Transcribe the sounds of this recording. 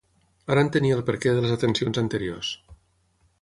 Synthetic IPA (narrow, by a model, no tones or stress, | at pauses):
aɾənt̪əniəlˠpəɾkeðələzət̪ənsionzənt̪əɾio̰s